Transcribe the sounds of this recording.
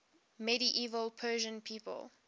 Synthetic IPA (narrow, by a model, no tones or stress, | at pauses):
mɛɾiʔiːvəlˠpʰɜːʒə̃npʰiːpə̰lˠ